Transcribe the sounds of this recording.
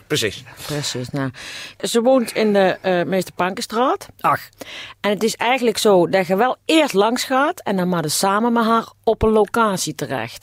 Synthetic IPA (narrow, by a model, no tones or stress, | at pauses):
pəsisprəsisnazəʋoːntʰɪndəmejstəpɑŋkəstraːt | ɛnətɪsɛjɣənləksowdaɣəʋɛlˠɪːɹtlɑŋsxaːtɛndɑnmaːdəsaːmənmɛtɦaːɹɔpənlowkaːtsitərɛ̰xt